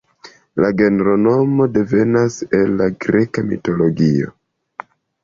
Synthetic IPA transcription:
laɡe̞ne̞ɾo̞no̞mo̞de̞ve̞nase̞lːaɡɾe̞kamḭto̞lo̞ɡio̞̰

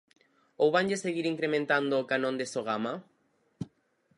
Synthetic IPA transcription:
owβanʎeseɣiɾiŋkɾemẽnt̪and̪oːkanõnd̪esoɣ̞ama

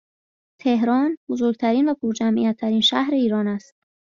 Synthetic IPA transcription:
t̪ʰe̞hɾɒːnbozoɾɡt̪ʰæɾiːnvæpʰoɾd͡ʒæmʔḭjæt̪ʰːæɾiːnʃæhɾe̞iːɾɒːnæst̪̚

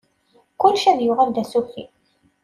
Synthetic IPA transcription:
kʊlʃæðjʊʁæld̪æsufḭ

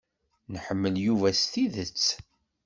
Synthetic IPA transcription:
nəħəmːəljuvæst̪iðət͡sː

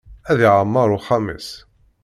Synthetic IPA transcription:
æðiʕamːɑɾˤʊχamə̰s

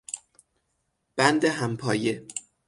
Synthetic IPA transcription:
b̥ænd̪eɦæmpʰɒːje

